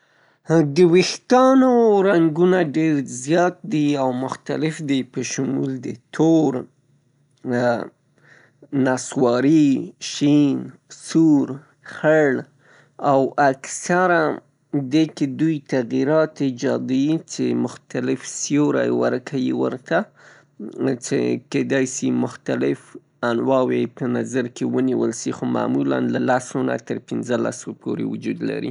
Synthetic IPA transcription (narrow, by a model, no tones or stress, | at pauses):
d̪əwixt̪ɑnoɾaŋɡunaɖeɾzjɑt̪̚d̪iawmʊxt̪a̰lɪfd̪ipəʃʊmṵld̪ət̪ʰoɾ | naswɑɾiʃinsuɾ | xəɭ | awaksaɾa | d̪eked̪ujt̪aɣiɾɑt̪id͡ʒɑd̪wit͡ʃemʊxt̪alɪfsjoɾa̰wə̰ɾkʰawiwə̰ɾt̪a | t͡ʃḛked̪ɑjsimʊxt̪alɪf | anwɑwepənazaɾkewəniwəlʃixoma̰mula̰nlalasona̰t̪əɾpɪnzəla̰sopʰoɾḛwʊd͡ʒud̪la̰ɾḭ